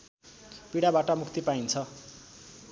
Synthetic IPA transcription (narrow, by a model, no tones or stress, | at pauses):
piɽabaʈʌmukʰt̪ipaint͡sʰʌ